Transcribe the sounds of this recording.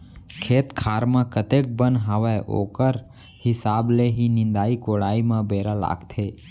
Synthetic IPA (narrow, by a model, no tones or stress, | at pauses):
kʰeːt̪kʰaːɾmãkət̪ek̚bənɦaʋaʔo̰ːkəɾ | hɪsaːbleɦinɪ̃nd̪aːikoːɽaːimãbeːɾala̰ːɡt̪ʰeː